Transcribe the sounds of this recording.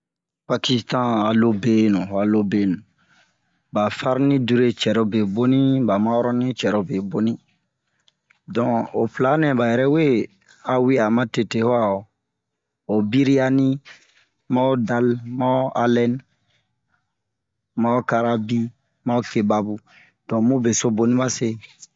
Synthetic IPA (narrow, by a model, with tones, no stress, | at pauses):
pa˨ki˦stã˦a˨lo˦be˦nũ˨a˨lo˦be˨nũ˨ | ba˨fa˦ɾnĩ˦du˦ɾe˦t͡ʃɛ˨ɾo˦be˨bo˦nĩ˦ba˨ma˦ɔ˦ɾɔ˦nĩ˦t͡ʃɛ˨ɾo˨be˨bo˦nĩ˦ | dɔ̃˨o˨fla˨˦nɛ̃˨ba˨jɛ˨ɾɛ˦we˦ | a˨wi˦a˨mã˦te˨te˨hwa˦˨o˨ | o˨bi˦ɾi˦ja˦nĩ˦ | mã˦o˦da˦lmã˦a˦lɛ˦n | ma˦o˦ka˧ɾa˧bi˦ | mã˦o˦ke˨ba˨bu˦ | d̥ɔ̃˨mũ˦be˨so˦bo˨nĩ˦ba˦se˦